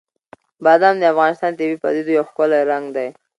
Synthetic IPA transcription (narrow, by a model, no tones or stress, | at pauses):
bɑd̪amd̪əafɣɑnɪst̪ɑnt̪ebipa̰d̪id̪ojawxkəlaɾaŋɡd̪aj